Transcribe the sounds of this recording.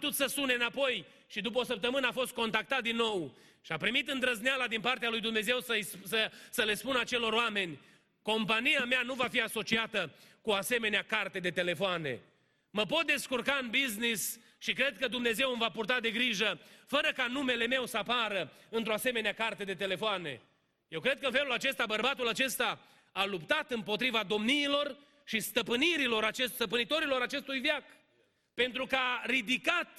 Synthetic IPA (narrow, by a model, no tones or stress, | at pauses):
ut̪ut̪səsuneɨnapo̞j | ʃid̪up̬əosəp̚t̪əmɨnəafo̞st̪̚ko̞nt̪ak̚t̪at̪̚d̪inːo̞w | ʃiapɾimit̪ɨnd̪ɾəznealad̪inpart̪ealujd̪umne̞ze̞wsəjsəsəle̞spunat͡ʃe̞lo̞ɾoame̞nʲ | ko̞mpanijameanuvafiaso̞t͡ʃiat̪əkuase̞me̞neakart̪e̞d̪e̞t̪e̞le̞foane̞̰ | məpo̞t̪̚d̪e̞skurkaɨnbiznis | ʃikɾe̞d̪̚kəd̪umne̞ze̞wɨmvapurt̪ad̪e̞ɡɾiʒəfəɾəkanume̞le̞me̞wsəapaɾəɨnt̪ɾo̞ase̞me̞neakart̪ed̪e̞t̪e̞le̞foane̞̰ | je̞wkɾe̞d̪̚kəɨnfelulat͡ʃe̞st̪abərbat̪ulat͡ʃe̞st̪a | alupt̪at̪ɨmpo̞t̪ɾivad̪o̞mniːlo̞r | ʃist̪əpɨniɾilo̞ɾat͡ʃesst̪əpɨnit̪o̞ɾilo̞ɾat͡ʃe̞st̪ujvjak | pe̞nt̪ɾukəaɾid̪ikat̪